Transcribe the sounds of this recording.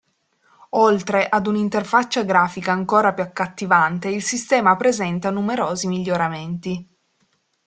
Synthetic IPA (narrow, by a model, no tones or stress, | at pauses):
olt̪ɾeʔad̪unint̪erfat͡ʃːaɡɾaːfikaːŋkoːɾapjuakːat̪ːivant̪eilsist̪ɛːmapɾezɛnt̪anumeɾoːzimiʎːoɾament̪i